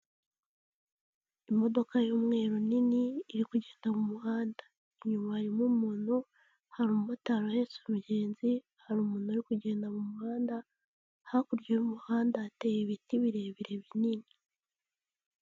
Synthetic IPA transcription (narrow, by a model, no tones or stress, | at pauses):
imo̞do̞kajoːmŋe̞ːɾuniniːɾikuɟe̞ːndamumuhaːndḁ | iɲumaɾimumuːnhu | haɾummataɾahesumuɟe̞ːnzi | haɾumuːnhuaɾikuɟe̞ːndamumuhaːnda | hakuɾɟoumuhaːndatejeβitiβiɾeβiɾe̞βinini